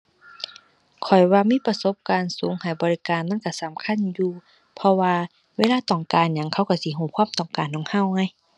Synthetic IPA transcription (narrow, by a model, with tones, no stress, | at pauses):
kʰɔ˨˩jwaː˧miː˧˥˨pa˧so˧˦p̚kaː˨nsuː˨˦ŋha˨˩jbɔː˨li˦˧kaː˨nma˧˥˨ka˧˩sa˨˦mkʰa˧˥˨njuː˧ | pʰɔ˧waː˧ | weː˧˥˨laː˧˥˨t̪ɔː˨˩ŋkaː˨nɲa˧˦ŋkʰa˧˥˩wka˧˩si˧˦ɦuː˧˩kʰwaː˧˥˨mt̪ɔː˨˩ŋkaː˨nːɔː˨˩ŋha˧˥˩wŋa˧˩˨j